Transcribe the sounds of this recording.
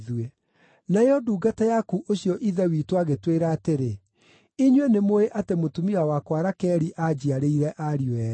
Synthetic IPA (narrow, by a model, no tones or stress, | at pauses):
ðue | najɔduːɡatajakuʔoɕjɔʔiðɛwiːtwaɣetweɾaːteɾe | iɲwenemoeʔatemotumiawakwaɾakɛːɾiʔad͡ʑiaɾeiɾɛʔaɾiɛ